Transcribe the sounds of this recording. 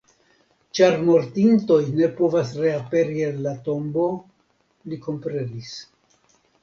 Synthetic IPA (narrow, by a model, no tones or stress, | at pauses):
t͡ʃaɾmo̞ɾtinto̞jne̞po̞vasɾe̞ape̞ɾie̞nlato̞mbo̞ | liko̞mpɾe̞nis